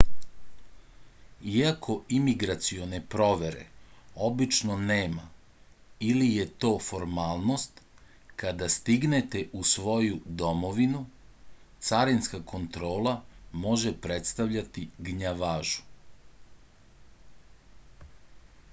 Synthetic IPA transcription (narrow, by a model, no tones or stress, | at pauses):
iakʰo̞imiɡɾat̪sio̞nepɾo̞ʋe̞ɾe̞̰o̞bit͡ʃno̞neːma | ilije̞t̪o̞ːfo̞ɾmaːlˠno̞st̪ | kad̪ast̪iɡnet̪e̞ʔusʋo̞jud̪o̞mo̞ʋinu | t̪saɾinskako̞nt̪ɾo̞ːlˠamo̞ʒepɾe̞t̪st̪aʋʎat̪iɡɲaʋaːʒu̥